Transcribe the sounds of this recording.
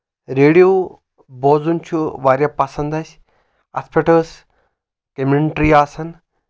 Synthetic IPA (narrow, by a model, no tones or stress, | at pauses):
ɾeːɽijoː | boːzunt͡ʃʰuʋaːɾjapɐsɐnd̪ɐsʲ | ɐ̰spʰeʈəːs | kemeɳʈɾiaːsɐn